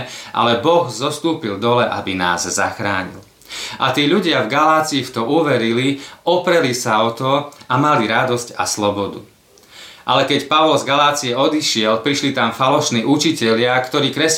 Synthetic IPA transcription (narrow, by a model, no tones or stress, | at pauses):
ʔa̰lɛbɔɣzɔst̪uːpild̪ɔlɛʔa̰bina̰ːzza̰xɾa̰ːɲḭl | ʔa̰t̪iːʎuɟɪavɡalaːt͡siːft̪ɔʔuʋɛɾiliɔpɾɛlisaɔt̪ɔamaliɾad̪ɔsca̰slɔbɔd̪ṵ | ʔa̰lɛkɛcpaʊɔlzɡalaːt͡siɛɔd̪iʃɪɛlpɾiʃlit̪amfalɔʃniːʔut͡ʃicɛʎɪakt̪ɔɾiːkɾɛs